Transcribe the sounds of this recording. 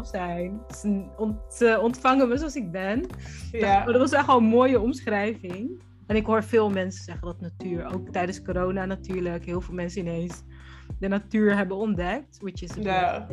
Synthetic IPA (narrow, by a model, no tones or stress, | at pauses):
sɛjn | snɔnɔntfɑŋənməsoɑlsɪk̚bɛn | dɑtʋɑsɛχtʋɔlənmoːjəɔmsχrɛjvɪŋ | ɛnɪkɦoːɹfɪːlˠmɛnsəzɛχəndɑtnatyːɹowk̚tɛjdənskoɾownanatyːɹləkɦɪːlˠvɪːlˠmɛnsəɪnejns | dənatyːɹɦɛbənɔndɛk̚tʋɪt͡ʃɪsə